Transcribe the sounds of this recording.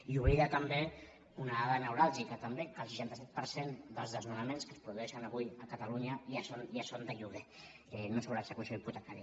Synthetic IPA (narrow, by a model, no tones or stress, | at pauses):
iuβɾiɾat̪əmbe | unaaðənəwɾalˠʒikət̪əmbekəlˠsəʃant̪əsɛt̪̚pəɾsend̪əlzðəzmunəmenskəspɾuðuɛʃənəβujəkət̪əluɲəjasonjasond̪əʎuβɣe | ɛnosoβɾaəksəkusioiput̪əkaɾia